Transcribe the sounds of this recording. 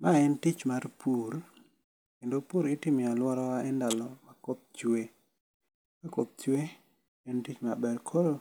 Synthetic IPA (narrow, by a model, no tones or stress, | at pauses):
mʔaɛntit͡ʃmarpʰuɾ | kendopuɾɪtimɪalwɔɾɔwaɛndalɔmakop̚t͡ʃwe | makop̚t͡ʃwe | ɛntit͡ʃmabɛɾkʰoɾo